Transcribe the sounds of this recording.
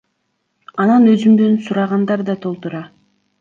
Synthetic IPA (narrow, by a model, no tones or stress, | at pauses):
ɑnɑnø̞zymd̪ø̞nsuɾɑʁɑnd̪ɑɾd̪ɑt̪ʰo̞lˠt̪uɾɑ